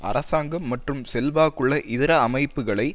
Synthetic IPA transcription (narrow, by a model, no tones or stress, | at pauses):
ʔɐ̰ɾʔɐsaːŋɡɐmːɐʈrɯmsɛlʋaːkːɯɭːɐʔɪðɪɾɐːmɐɪpːɯɣɐɭɐɪ